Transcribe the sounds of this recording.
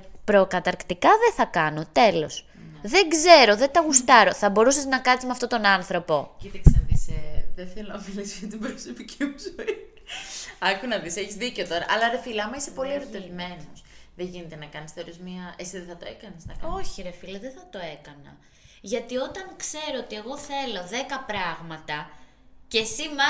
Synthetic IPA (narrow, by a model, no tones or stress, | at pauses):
pɾo̞kɐt̪ɐɾkt̪ikɐðeθɐkɐno̞t̪e̞lo̞s | ðe̞ŋɡze̞ɾo̞ðet̪ɐɣust̪ɐɾo̞θɐbo̞ɾusɐznɐkɐt̪izmeɐft̪ot̪o̞nɐnθɾo̞po̞cit̪ɐksnɐðiseðenθelonɐfilisjɐt̪ibɾosopicʰimuzoi | ɐkunɐðiseçizðiceot̪o̞ɾɐ̰ʔɐlɐɾefilɐɐmɐisepo̞lieɾot̪evime̞nosðeʝinet̪enɐkɐnisθeoɾiozmɐesiðeθɐt̪oekɐneznɐ̰kɐo̞çiɾefilɐðeθɐt̪o̞e̞kɐnɐ̰ | ʝɐt̪io̞t̪ɐŋkse̞ɾo̞ot̪ie̞ɣo̞θe̞lo̞ðe̞kɐpɾɐɣmɐt̪ɐ | ce̞simɐ